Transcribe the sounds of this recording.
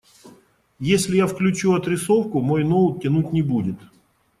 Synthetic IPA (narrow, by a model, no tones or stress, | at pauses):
jesʲlʲɪjafklʲʉt͡ɕuɐt̪ɾʲɪsofkʊmojnol̚ˠtʲːɪnutʲnʲɪbudʲɪt̪